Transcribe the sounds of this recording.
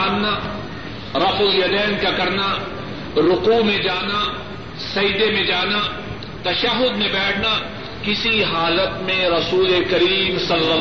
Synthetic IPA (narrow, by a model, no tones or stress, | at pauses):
nna | ɾɐfʊljɐd̪ɛːnkakɐɾna | ɾʊquːmẽd͡ʒaːna | sɐjd̪emẽd͡ʒaːna | t̪ɐʃɐɦʊd̪mẽbɛːʈʰna | kɪsiɦaːlət̪mẽɾɐsuːlekɐɾiːmsɐlːɐ